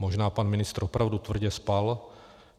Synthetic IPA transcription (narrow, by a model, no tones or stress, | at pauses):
moʒnaːpanmɪnɪst̪ɾ̩opɾʔavdut̪vr̩ɟɛspal